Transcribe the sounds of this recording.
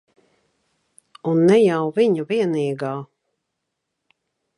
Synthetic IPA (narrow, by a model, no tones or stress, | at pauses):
unːɛjawviɲuviɛniːɡaː